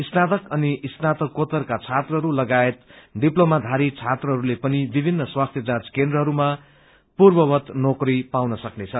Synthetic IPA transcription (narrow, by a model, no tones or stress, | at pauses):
isnat̪ʌkʌniʔisnat̪ʌkːot̪ʌrkat͡sʰat̪rʌɦʌɾulʌɡaet̪ɖiplomad̪ʱaɾit͡sʰat̪rʌɦʌɾulepʌnibibʱinːʌswast̪ʰjʌd͡zãt͡skend̪rʌɦʌɾuma | purbʌwʌt̪nokripawnʌsʌknet͡sʰʌ